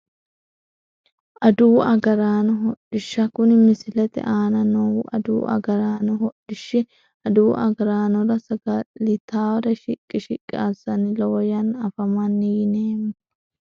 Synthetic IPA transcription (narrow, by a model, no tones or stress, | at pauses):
ʔɐd̪uːʔɐɡɐɾaːnʊɦɔɗɪʃːɐkʊnɪmɪsɪlɛt̪ɛ̰ʔaːnɐnowʊʔɐd̪ṵːʔɐ̰ɡɐɾaːnʊɦɔᶑɪʃːɪ | ɐd̪uːʔɐɡɐɾaːnɔɾɐsɐɡɐlɪt̪aːwɐd̪ɐʃɪkʼːɪʃɪkʼːɪasɐnɪlɔwjɐnɐfɐmɐnːɪjɪneːm